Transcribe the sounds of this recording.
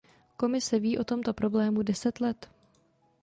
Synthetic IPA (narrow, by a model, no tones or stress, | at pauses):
ko̞mɪsɛviːʔo̞t̪o̞mt̪o̞pɾo̞blɛːmudɛsɛt̪lɛt̪